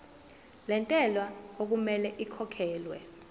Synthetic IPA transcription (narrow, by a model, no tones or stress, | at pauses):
lɛntʼɛlwaok̬umɛlɛʔikʰɔkʰɛːlwɛ